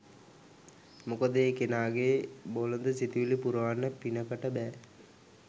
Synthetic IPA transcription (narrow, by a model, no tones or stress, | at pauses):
mukəd̪əːkenaːɡeːbolənd̪əsit̪iʋilipuɾəʋanːəpinəkəʈəbɛː